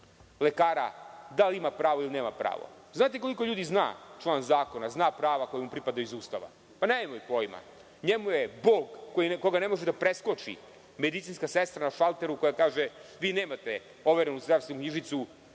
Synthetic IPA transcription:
lekaːɾa̰d̪alimapɾaːʋoilineːmapɾa̰ːʋo̰ | znaːt̪eko̞liko̞ʎuːd̪izna̰ːt͡ʃlˠaːnzaːko̞naznaːpɾaːʋako̞jemupɾipad̪aizuːst̪aʋa̰ | paneemoipo̞ːjma̰ | ɲemujeboːɡːojiko̞ɡane̞mo̞ʒed̪apɾeskot͡ʃḭ | me̞d̪it̪sinskasest̪ɾanaʃalˠt̪e̞ɾuko̞jakaːʒeʋiːneːmat̪e | o̞ʋeɾenuzd̪ɾaːst̪ʋenukɲiʒit̪su

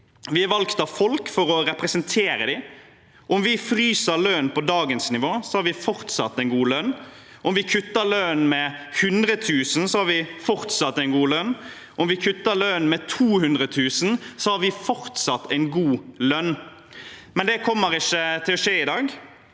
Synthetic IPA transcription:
ʋɪæɾʋɑlkt̪ɑʋfɔlkfɔɾɔɾɛpʁɛsənt̪ʰeːɾəd̪ɪ | ɔmʋɪfɾyːsəlœnpɔd̪ɑːɡənsnɪʋoːsɔhɑɾʋɪfɔʁt̪sɑ̰t̪ːæɪnɡuːlœn | ɔmʋɪkʰʉt̪ːəlœnmɛhʉnd̪ɾət̪ʰʉːsn̩sɔhɑɾʋɪfɔʁt̪sɑt̪ːæɪnɡuːlœnː | ɔmʋɪkʰʉt̪ːəlœnmɛt̪ʰuːhʉnd̪ʁət̪ʰʉːsn̩sɔhɑɾʋɪfɔɾt̪sɑt̪ʰːæɪnɡuːlœnː | mɛnd̪ɛkʰɔmːəɾɪçːət̪ʰɪlːɔʂeːɪd̪ɑːɡ

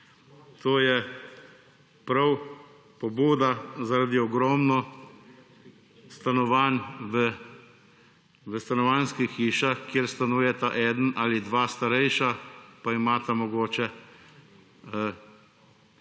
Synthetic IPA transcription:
t̪ʰoːjɛ | pɾaw | pɔbuːd̪azaɾad̪iɔɡɾɔːmnɔ | st̪anɔʋanʋə | ʋəst̪anɔʋaːnskixiːʃaxkjeɾst̪anuːjɛt̪aʔɛːd̪ənʔaːlid̪ʋaːst̪aɾɛjʃapaimaːt̪amɔɡoːt͡ʃɛ

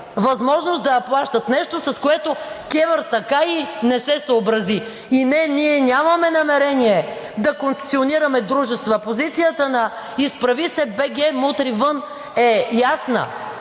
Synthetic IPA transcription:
vɐzmɔʒnosd̪ɐɐplˠaʃt̪ət̪nɛʃt̪osɐskoɛt̪okɛvəɾt̪ɐkainɛsɛsəːbɾɐzi | inɛniɛnʲamɐmɛnɐmɛɾɛniɛd̪ɐkʊnsɛ̥sioniɾɐmɛd̪ɾuʒɛst̪vɐpozit̪sijət̪ənɐ | ispɾɐvisɛbɛɡʲɛmut̪ɾivən | ɛjasnə̰

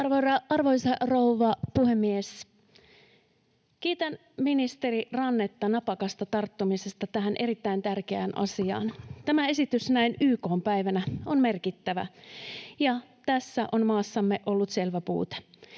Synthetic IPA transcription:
ɑrorɑɑrʋoisɑrouʋɑpuhe̞mːies | kiːt̪æn | minist̪e̞ɾirɑnːet̪ːɑnɑpɑkɑst̪ɑt̪ɑrt̪ːumise̞st̪ɑt̪æɦænʔe̞ɾit̪ːæint̪ærk̟eæ̰ːnʔɑ̰siɑ̰ːnt̪æmæe̞sit̪ysnæinyːko̞ːmpæjʋænæo̞nme̞rkit̪ːæʋæ̰ | jɑt̪æsːæʔo̞nmɑːsːɑmːe̞ʔo̞lːut̪se̞lʋæpṵːt̪e̥

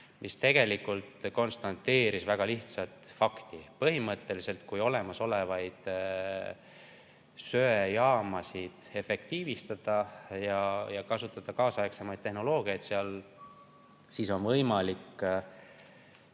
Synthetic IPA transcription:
mʔist̪e̞ɡ̥e̞likult̪ko̞nst̪ɑnt̪ːe̞ːɾisvæɡ̥ɑliht̪sɑt̪fɑkt̪ipɤɦimɤt̪ːˑe̞lise̞lt̪kujo̞le̞mɑso̞le̞vɑjd̪̥ | sø̞ːjɑːmɑsid̪̥e̞fe̞k̚t̪iːvist̪ɑd̪̥ɑjɑjɑkɑsut̪ːˑɑd̪̥ɑkɑːsɑeksemɑjd̪̚ehno̞lo̞ːɡ̥iɑjd̪seɑl | siso̞nvɤjmɑlikː

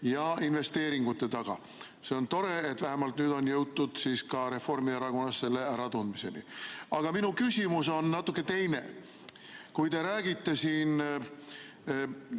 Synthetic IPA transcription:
jɑinve̞st̪e̞ːɾiŋɡ̥ut̪ːˑe̞t̪ɑɡ̥ɑ̰ | se̞o̞nt̪o̞ɾe̞et̪væɦæmɑlt̪nyːd̪o̞njɤwt̪ːud̪̥siːskɑɾe̞fo̞rmieɾɑko̞nːɑsːe̞lːe̞æɾɑt̪und̪mise̞nḭɑɡ̥ɑminukysʲimuso̞nːɑt̪ːˑukːˑet̪e̞jne̞̰ | kujt̪e̞ɾæːɡ̥it̪ːe̞siːn

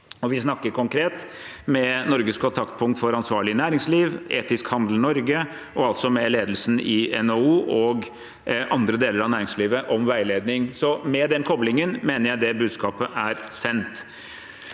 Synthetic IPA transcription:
ɔʋɪsnɑkːəɾkʰʊŋkʰɾeːt̪ | mɛnɔɾɡəskʰɔnt̪ʰɑkt̪̚pʰʊŋk̚t̪fɔɾɑnsʋɑːɭɪnæːɾɪŋsliːʋʔḛːt̪ɪskhɑnd̪l̩nɔɾɡə | ʔɔɑlt̪sɔmɛleːd̪lsn̩ɪɛnouːʔɔɡ | ʔɑnd̪ɾəd̪eːləɾɑʋnæːɾɪŋsliːʋəʔɔmʋæɪleːd̪nɪŋsɔmɛd̪ɛnkʰɔblɪŋənmeːnəɾjæɪd̪ɛbʉːd̪skɑːpəʔæɾsɛnt̪

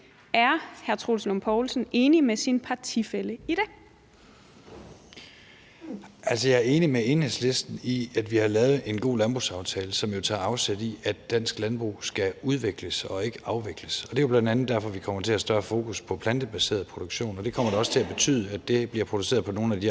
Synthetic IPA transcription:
æɐhæɐt͡sʰʁolslompʰɒʊlsn̩e̝ːnimesinpʰɑ̈t͡sʰifeləiɾ̥ɛ | ʔælsəjɑ̈æɐe̝ːnimee̝ːnhesle̝sd̥n̩iæd̥ʋihɑ̈lɛːʊð̩ˠe̝nɡ̥o̝̰ːlænb̥ʁusɑ̈ʊt͡sʰɛːləsɒ̽mjo̝t͡sʰɑ̈ːɑ̈ʊsed̥iæd̥ːæn̰sɡ̥lænb̥ʁṵsɡ̥æuð̞ˠʋeɡ̥ləsɒ̽e̝ɡ̥əɑ̈ʊʋeɡ̥ləsɒ̽d̥e̝job̥lænd̥ænð̩ˠd̥æɐ̰fɒ̽ʋikʰɒ̽m̰ɐt͡sʰe̝læsd̥ɶɐfo̝ːkʰuspʰɒ̽pʰlænd̥əb̥æse̝̰ːɐð̩ˠpʰʁoɾ̥oɡ̥ɕo̝̰ːnɒ̽d̥e̝kʰɒ̽m̰ɐɾɑɒ̽sə̥t͡sʰe̝læb̥e̝t͡sʰy̰ːð̞ˠəæd̥e̝b̥liɐpʰʁo̝d̥usḛːɐð̞̩ˠpɒ̽no̝ːn̩æd̥i

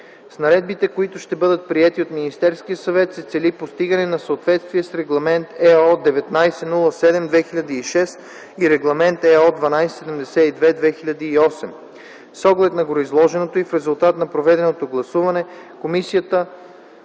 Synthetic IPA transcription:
snɐɾɛd̪̚bit̪ɛkoit̪ʊʃt̪ɛbɤd̪ət̪̚pɾiɛt̪iot̪minist̪ɛɾskijəsɐvɛt̪sɛt̪sɛlipost̪iɡənɛnɐsəot̪vɛt̪st̪viɛsɾɛɡlˠɐmɛnt̪ɛɔd̪ɛvɛt̪najsɛnulˠəsɛd̪ɛmd̪vɛxiʎʲɐd̪iːʃɛst̪ | iɾɛɡlˠɐmɛnt̪ɛɔd̪vɐnajsɛ̥sɛd̪əmd̪ɛsɛid̪vɛd̪vɛxilʲɐd̪iːɔsɛm | sɔɡlɛt̪nɐɡoɾoizlˠɔʒɛnot̪oifɾɛzulˠt̪at̪nɐpɾovɛd̪ɛnot̪oɡlˠɐsuvɐnɛkomisijət̪ə

